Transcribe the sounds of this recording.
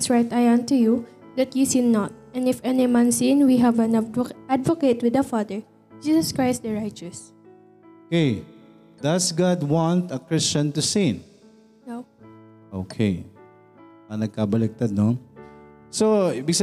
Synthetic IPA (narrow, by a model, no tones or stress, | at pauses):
sɹajt̪ajãnt̪uju | d̪ɐt̪jusid̪nɔt̪̚ɛ̃nɪfɛnimãnsĩnwiɦævɐ̃nʔad̪vɔket̪wɪd̪ɐfad̪əɹ | d͡ʒiːsɐskɹaɪs̚d̪ɐɹajt͡ʃɐs | okej | d̪ɐsɡad̪wãnt̪ɐkɹɪst͡ʃɐ̃nt̪usĩn | no | ʔokʰej | ɐnɐɡ̚kabɐlɛk̚t̪ad̪̚no | sobɪks